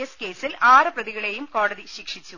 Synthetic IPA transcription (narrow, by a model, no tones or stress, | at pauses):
ɐske̞ːsilʔaːrɨprɐðiɣɐɭeːjumko̞ːɽɐðiɕikʂit͡ɕːu